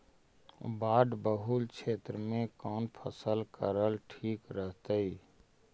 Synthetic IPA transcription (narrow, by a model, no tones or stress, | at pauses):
baːɖbəɦulkt͡ʃʰeːt̪ɾəmẽkaːnpʰəsəlkəɾəlʈʰiːkɾəɦt̪əi